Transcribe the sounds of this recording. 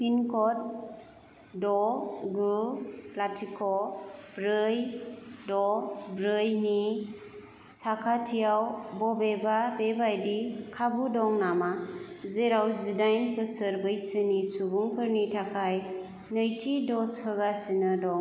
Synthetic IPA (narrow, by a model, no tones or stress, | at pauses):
pinkʰɔt̚ | dɔɡulatʰikʰɔbɾɯjdɔbɾɯjni | sakʰatʰijawbɔbebabebajdikʰabudɔŋnama | zeɾawzidajnpɯsɯɾbɯjsɯnisubuŋkʰɯɾnitʰakʰaj | nɯjtʰidɔshɯɡasɯnɯdɔŋ